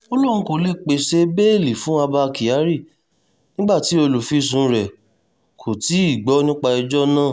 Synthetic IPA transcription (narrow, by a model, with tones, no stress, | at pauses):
o˦lũ˦˨ũ˦ko˨le˦˨k͡pe˧˨ʃe˦be˦e˦˨li˨fũ˨˦a˧ba˧ki˨ja˨˦ɾi˦˨ | nĩ˦ɡ͡ba˦˨ti˨˦o˧lu˨fi˨˦s̬ũ˨˧˦ɾɛ˨ | kʰo˨ti˨˦i˦˨ɡ͡bɔ˨˦nũ˦k͡pa˧i˧d͡ʒɔ˦nãː˦˨